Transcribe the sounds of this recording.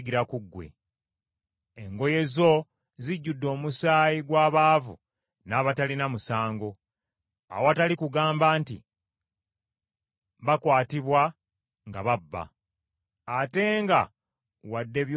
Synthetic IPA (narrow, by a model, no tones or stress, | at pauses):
ɡiɾakuɡːwe̞̰ | eŋɡo̞je̞zo̞ | ziɟːudːo̞ːmusaːjiɡwaːβaːvṵ | naːβatalinamusaːŋɡo̞ | a̰woatalikuɡaːmbaːntḭ | βakwaːtiβwa | ŋɡa̰βabːa̰ | ate̞ŋɡa | wadːe̞βj